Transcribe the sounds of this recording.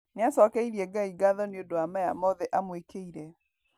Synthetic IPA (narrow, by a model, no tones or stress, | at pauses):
neasɔkɛiɾiɛɡaiɡaðɔneondowamɛja̰mɔðɛʔamwekeiɾɛ